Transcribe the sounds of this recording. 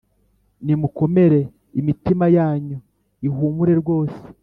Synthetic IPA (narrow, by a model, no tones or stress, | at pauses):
nimuko̞me̞ɾe̞ | imitimajaːɲo | iɦuːmuɾe̞ɾɡwo̞ːse̥